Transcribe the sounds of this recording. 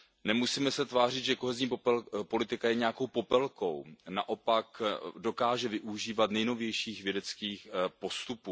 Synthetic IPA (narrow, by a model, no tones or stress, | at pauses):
nɛmusiːmɛsɛt̪vaːr̝ɪt̪ʒɛko̞ɦɛzɲiːpo̞lɪt̪ɪkajɛɲɛako̞wpo̞pɛlko̞̰wnaʔo̞pakdo̞kaːʒɛvɪʔuʒiːvat̪nɛjno̞vjɛjʃiːxvjɛdɛt͡skiːxpo̞st̪upuː